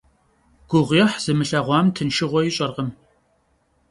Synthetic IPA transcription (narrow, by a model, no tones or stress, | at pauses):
ɡ̥ʷʊʁʷjɛħz̥ɨmɨɬɐʁʷɑːmtʰɨnʃɪʁʷɔjɪɕʼɐrʁəm